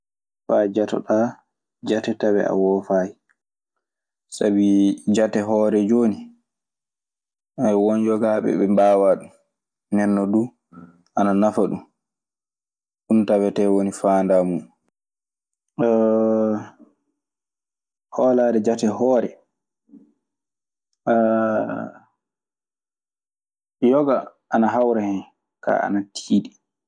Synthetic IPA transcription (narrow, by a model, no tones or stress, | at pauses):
fad͡ʒatɔ̰ɗa | d͡ʒatɛtawɛ̰a̰wɔfaji | sabid͡ʒatɛɦɔːɾɛd͡ʒoːni | ɛwɔnd͡ʒɔɡaɓɛ̰ɓɛmbaːwaɗum | nɛnːɔdu | ʔananafaɗum | ɗuntawɛtɛwonifaːndamu | hɔladɛd͡ʒatɛhɔːɾɛ | jɔɡa | ʔːnaɦawɾahɛn | ka̰a̰natʰiːɗi